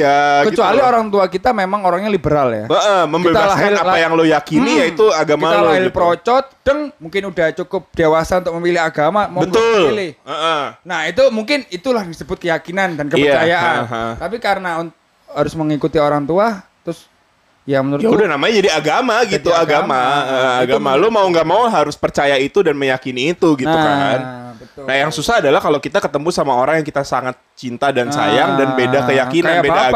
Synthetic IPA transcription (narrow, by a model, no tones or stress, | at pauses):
jakət͡ʃualioɾaŋt̪uakit̪amemaŋoɾaŋɲalibəɾalja̰əʔəməmbkbet̪abalaɦɪlalajaŋlojakinijait̪uaɡamkiaalaɦɪlpəɾot͡ʃɔt̪̚d̥əŋmuŋkɪnudaht͡ʃukʊp̚d̥ewasaunt̪ʊkməmilɪhaɡamambət̪ʊllɪhəʔənahit̪umuŋkɪnit̪ulahdisəbʊt̪̚kəjakinandankəət͡ʃajaʔant̪ap̬ikaɾənaunt̪ʊkhaɾʊsməŋikut̪ioɾaŋt̪uat̪ɾʊs | jamənuɾʊudahnamaɲad͡ʒadiaɡamaɡit̪uaɡamaəaɡamalomauŋɡaʔmauɦaɾʊspərt͡ʃajait̪udanməjakiniːt̪uɡit̪ukannahjaŋsusaɦːdalahkalokit̪akət̪əmpusamaoɾaŋjaŋkit̪asaŋat̪̚t͡ʃint̪adansa̰jaŋdanbedakəjakinanbeda